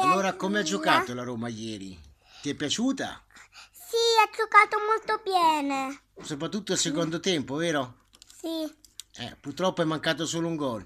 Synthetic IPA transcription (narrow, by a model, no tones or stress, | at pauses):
allːoːɾakomead͡ʒːokaːt̪olaɾoːmajːɛːɾḭ | t̪iɛpːjat͡ʃuːt̪a̰siad͡ʒokaːt̪omolt̪objɛːne | sopɾat̪̬ːut̪ːʊalsekɔnd̪ʊt̪ɛmpovɛːɾo | siɛ̰pːurt̪ːɾɔpːoɛmːaŋkaːt̪̬osuːlʊuŋɡɔl